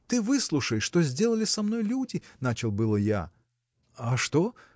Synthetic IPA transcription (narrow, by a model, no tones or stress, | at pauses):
t̪ɨvɨslˠuʂəjʂːt̪ozʲdʲe̞lˠəlʲɪsɐmno̞jlʲudʲɪnat͡ɕɪlˠbɨlˠəja̰ | aʂt̪o